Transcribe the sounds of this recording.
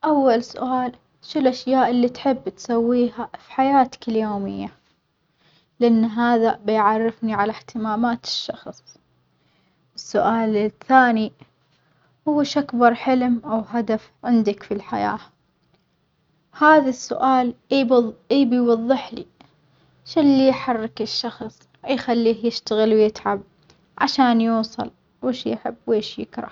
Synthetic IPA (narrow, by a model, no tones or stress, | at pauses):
ʔawːalsʊ̰ʔaːl | ʃɪlʔaʃjaːʔɪlːit̪ħɪbːt̪sawːiːɦafi̥ħajaːt̪ḁkɪljoːmɪ̰jːa | lɪʔanːɦaːðabɪjʕɑrːɪfniʕalaht̪ɪmaːmaːt̪ɪ̥ʃːɑxsˤ | ʔɪsːʊʔaːlɪθːaːni | hʊwːɪʃʔakbɑɾˤħɪlmʔawɦad̪af | ʕɪnd̪akfilħa̰ja̰ː | haːðasːʊ̰ʔaːl | ʔiːbɪjwɑðˤːɪħlḭ | ʃɪlːijħɑrːɪkɪʃːɑxsˤ | jxalːiːhjɪʃt̪aɣɪlwjɪt̪ʕab̚ | ʕa̰ʃaːnjuːsˤɨ̰l | weːʃjħɪ̰bːweːʃjɪ̰kɾˤɑ̰